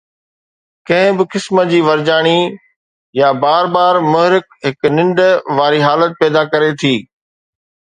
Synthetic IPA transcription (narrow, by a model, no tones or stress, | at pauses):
kɐ̃ɦɪ̃bɪkɪsməd͡ʑiːʋɐɾd͡ʑaːɽ̃i | jabaːɾbaːɾmʊɦɾɪkɦɪknɪ̃ɳɖʋaːɾiɦaːlət̪̚pɛːd̪akɐɾet̪ʰiː